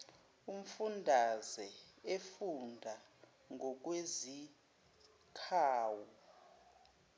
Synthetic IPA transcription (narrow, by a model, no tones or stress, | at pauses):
um̩fundʱazɛefundʱa | ŋʱɔk̬ʼwezi | kʰaːwɔ